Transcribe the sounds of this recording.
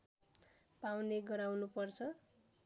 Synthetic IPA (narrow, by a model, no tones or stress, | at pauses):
pawneɡʌɾawnupʌrt͡sʰʌ